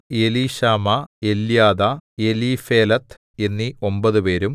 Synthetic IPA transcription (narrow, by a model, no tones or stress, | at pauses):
jeliːɕaːmɐeljaːðɐje̞liːfeːlɐt̪ʰː | enːio̞mbɐðupe̞ːɾum